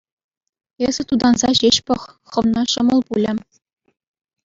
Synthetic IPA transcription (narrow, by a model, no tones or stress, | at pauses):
ez̥ʲɘ̆t̪ud̪ɑnzɑʑeɕpɤ̆χ | χɤ̆ʋnɑɕɤ̆mɤ̆lˠpulʲɘ̆